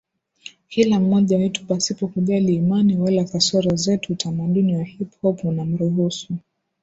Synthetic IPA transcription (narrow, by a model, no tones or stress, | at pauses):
kʰilam̩ɔʄawitu̥pasipɔkuʄaliːmaniwalakasɔɾɔzɛtuːtʰamaɗuniwahiphɔpnam̩ɾuɦusu